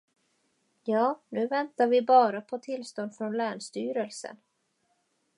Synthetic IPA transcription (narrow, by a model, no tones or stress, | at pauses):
jɑːnʉ̟ːvɛnt̪aɾvɪbɑːɾapʰɔt̪ʰɪlst̪ɔnd̪̥fɾɔnlæːɳʂt̪yːɾəlsə̰n